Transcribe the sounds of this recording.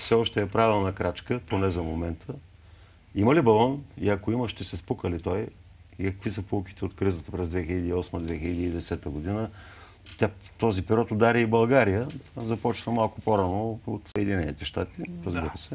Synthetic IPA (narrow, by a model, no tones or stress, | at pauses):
fsɛɔʃt̪ɛːpɾavilˠnɐkɾat͡ʃkəponɛzɐmomɛnt̪ʰə | iməlibɐlˠɔnḭɐkoiməʃt̪ɛsɛspukəlit̪ɔj | ikə̥kvisəpok̟i̥t̪ʰɛot̪kɾizət̪əpɾɛzd̪vɛxiləd̪iɔsməd̪vɛxiləd̪iːd̪ɛsɛt̪əɡod̪inə | t̪ʲat̪ɔzipiɾɔt̪od̪aɾiəibɐlˠɡaɾijəzɐpɔt͡ʃnəmalˠkʊpoɾanoot̪səɛd̪inɛnit̪ɛʃt̪at̪iɾəzbiɾəsɛ